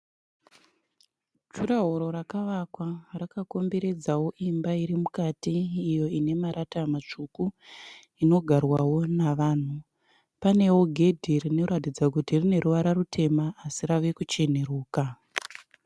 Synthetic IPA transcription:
t͡ʃuraɦoɾo̞ɾakaʋakwarakako̞mbe̞ɾe̞d͡zawo̞ʔimbaiɾimukatiːjo̞ine̞maɾatamat͡ʂuku | ino̞ɡʱarwawo̞naʋaːn̤u | pane̞wo̞ɡʱe̞dʱirino̞ratid͡zakutirine̞ɾuʋaɾarutʰe̞maːsiraʋe̞kut͡ʃe̞n̤e̞ɾuːka

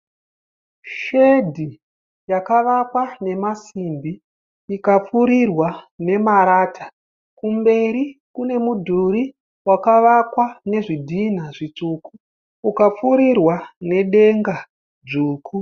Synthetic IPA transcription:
ʃe̞dʱi | jakaʋakwane̞masimbi | ikap͡fuɾirwane̞maɾaːtʰa | kumbe̞ɾikune̞mudʱuɾi | wakaʋakwane̞ʐidʱinaʐit͡ʂuːkuː | kap͡fuɾirwane̞ɗe̞ŋɡa | d͡zuːkʰu

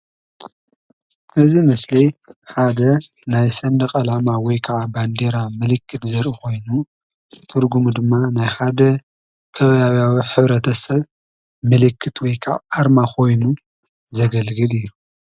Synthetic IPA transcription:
ʔɨzimɐslijħad̪ɐnajsɐnd̪ɐkʼɐlamawɔjkʰaʕaband̪eɾamɨlɨkːɨt̪zɐɾʔiko̞jnu | t̪ʰɨɾɡumd̪ɨmːanajħad̪ɐ | kʰɐβɐjawjawiħɨβɾɐt̪ʰɐsɐβ | mɨlɨkʰːɨt̪ʰwɔjkʰa̰ʕaɾmakʰo̞jnu | zɐɡɐlɡɨlɨjːu

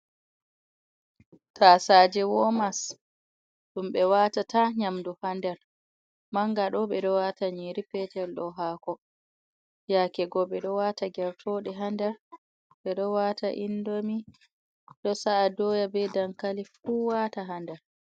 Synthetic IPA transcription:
tasaːd͡ʒɛwɔmas | ɗumɓɛwaːtataɲamduhandɛɾ | maŋɡaɗɔɓɛɗɔwataɲiɾipɛtɛlɗɔɦaːkɔ | jakɛɡɔɓɛɗɔwaːtaɡɛɾfoɗɛɦandɛɾ | ɓɛɗɔwataʔindomi | ɗɔsaʔːdɔːjabɛdaŋkalifuːwaːtaɦandɛɾ

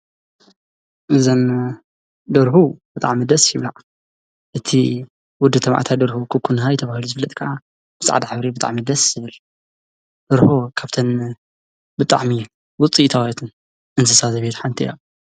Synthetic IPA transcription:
ʔɨzɐn | d̪ɐɾhubɨt̪ʼa̰ʕmid̪ɐsjiβlaʕ | ʔɨt̪ʰi | wʊd̪ːɨt̪ʰɐma̰ʕt̪ʰajd̪ɐɾhukʰɨkʰːunɦajt̪ʰɐβahiluzɨɨlːɐt̪ʼkʰaʔa | b̥ɨsa̰ʕd̪aħɨβɾibɨt̪ʼa̰ʕmid̪ɐsjɪβɨl | d̪ɐɾhokʰaβt̪ʰɐn | bɨt̪ʼa̰ʕmi | wʊt͡sʼiʔt̪ʰawet̪ʰɨn | ʔɨnt̪ʰɨsazɐβet̪ħant̪ʰija̰

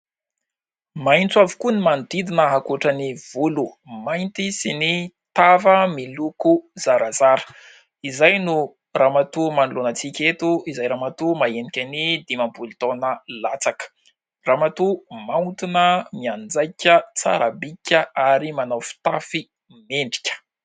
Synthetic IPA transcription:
majnt͡suavi̥kunimand̪id̪inəɦakuʈ͡ʂəniv̥ulu | majnt̪isini | t̪avəmilukuzaɾazaɾə̥ | izajnu | raːmat̪umanulonət͡sikʲet̪uizajɾamat̪umaenikʲanid̪imambulit̪onəlat͡sakə̥ | raːmat̪umaut̪inəmiand͡zajkʲət͡sa̰ɾabikʲəaɾimanawfi̥t̪afi | meɳɖ͡ʐi̥kʲə̥

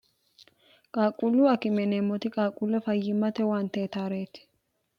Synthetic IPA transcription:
kʼaːkʼulːuɐkɪmɛneːmːɔt̪ɪkʼaːkʼʊlːɛfɐjːɪmːɐt̪ɛwaːnt̪eːt̪aːɾeːt̪ɪ̥

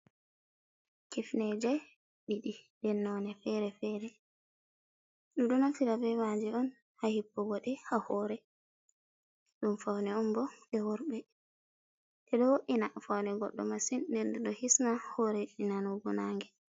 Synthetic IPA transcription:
kifnɛd͡ʒɛ | ɓiɗidɛnːɔnɛfɛɾɛfɛɾɛ | ɗuɗunafiɾabɛmad͡ʒɛɔn | hahipːɔɡɔɗɛhahɔːɾɛ | ɗumfawnɛɔmbɔɗɛwɔɾbɛ | tɛɗɔwoʔinafawnɛɡɔ̰ɗːɔ̰masinːdɛɾdɛɗɔhisnahɔɾɛɗinanuɡɔnaːŋɡɛ

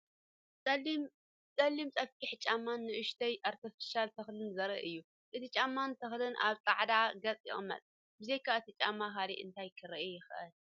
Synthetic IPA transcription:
t͡sʼɐlːimt͡sʼɐfkʰiħt͡ʃʼamːanːɨʔɨʃt̪ʰɐjʔaɾt̪ʰifi̥ʃalt̪ʰɐxlɨnzɐɾɐ̰ʔɨjːu | ʔɨt̪it͡ʃʼamːant̪ʰɐxlɨnʔa̰βt͡s̪ʼaʕd̪aɡɐt͡sʼḭʔo̰mɐ̰t̪ʼ | bɨzejkʰaɨt̪ʰit͡ʃʼamːaxalḭʔɨ̰nt̪ʰajkʰɨɾɐʔjɪxʔɐl

